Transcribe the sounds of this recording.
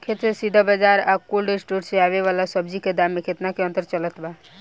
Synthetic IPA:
kʰet̪sesid̪ʱabəd͡ʒaɾakulɖisʈuɾseaβeʋalasəb̚d͡ʒiked̪amekʰet̪nakeə̃nt̪əɾt͡ʃələt̪ba

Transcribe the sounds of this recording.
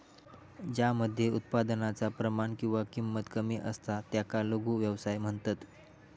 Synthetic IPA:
d͡ʑjaməd̪ʱːjeut̪̚pad̪ənat͡sapɾəmaɳkĩw̃ʋakimːət̪kəmiːʔəst̪at̪jakaloɡuːʋjəʋsajm̤əɳt̪at̪

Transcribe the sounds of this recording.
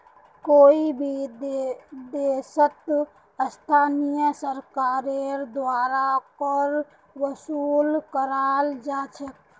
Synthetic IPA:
koibʱidd̪esət̪ | əst̪ʰanijəsəɾkaɾeɾd̪waɾapəɾ | ʋəsulkəɾald͡ʒat͡ʃʰək̚

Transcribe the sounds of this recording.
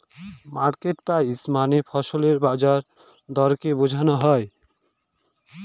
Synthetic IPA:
maɾkeʈpajsmanepʰɔsoleɾbad͡ʒaɾ | d̪ɔɾkebod͡ʒʱanɔɦɔe

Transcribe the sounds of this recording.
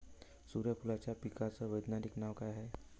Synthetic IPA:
suːɾjəpʰulat͡ɕjapikat͡səʋəjd̪naɾiknaʋkaɦɛ

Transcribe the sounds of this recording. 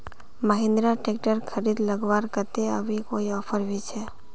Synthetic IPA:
məɦɪ̃nd̪ɾaʈek̚ʈəɾkʰəɾid̪ləɡʋaːɾkət̪eə̰bʱikoːiɔːpʰəɾbit͡ʃʰe

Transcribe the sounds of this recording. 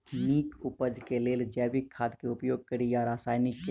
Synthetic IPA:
niːkʊpəd͡ʒkeleːld͡ʒɛːbɪkʰːaːd̪keʊpjoːɡ̚kəɾijaɾaːsaːjnɪkːe

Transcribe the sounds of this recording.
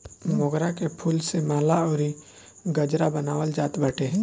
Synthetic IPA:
mɔɡɾakepʰulsemaːlaɔːɾi | ɡəd͡ʒɾabənaːwəld͡ʒaːt̪bəʈeɦ

